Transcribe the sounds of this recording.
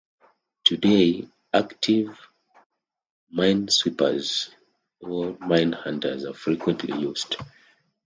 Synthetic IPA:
tʰude | aktʰiv | mãɪ̃nswipə̰z | ɔlmãɪ̃nhãndə̰˞zafɹikwɛ̃ntʰlḭjuzd̥

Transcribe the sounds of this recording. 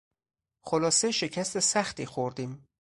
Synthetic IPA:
xolɒːseʃe̞cʰæst̪e̞sæxt̪iːxoɾd̪iːm

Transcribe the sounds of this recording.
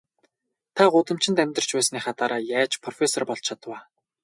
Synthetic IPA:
t̪ʰaɢʊt̪ə̆m̥t͡ɕɪ̆nt̪æmʲt̪ə̆r̥t͡ɕpæːsniːχat̪aːɾaːjæːt͡ɕpʰrɔfʲesɔrpɔɮt͡ɕʰat̪waː

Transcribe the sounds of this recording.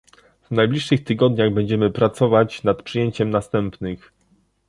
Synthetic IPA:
vnajblʲiʂːɘxt̪ɘɡɔd̪ɲaɣbɛɲd͡ʑɛmɘpɾat̪sɔvat͡ɕnat̪pʂɘjeɲt͡ɕɛmnast̪ɛmpnɘx

